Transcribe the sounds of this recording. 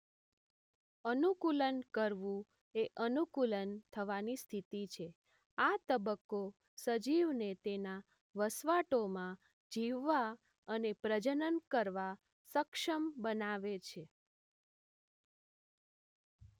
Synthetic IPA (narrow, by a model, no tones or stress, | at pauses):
ənukulənkəɾʋũ | eʔənukulənt̪ʰəʋanist̪ʰit̪it͡ʃʰe | at̪əbəkːo | səd͡ʒiʋnet̪ena | ʋəsʋaʈomã | d͡ʒiʋːa | ənepɾəd͡ʒənənkəɾʋa | səkʃəmbənaʋet͡ʃʰe